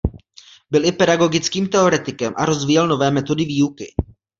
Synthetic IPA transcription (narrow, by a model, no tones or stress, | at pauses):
bɪlʔɪpɛdaɡo̞ɡɪt͡skiːmt̪ɛo̞ɾɛt̪ɪkɛmʔa̰ɾo̞zviːjɛlno̞vɛːmɛt̪o̞dɪviːukɪ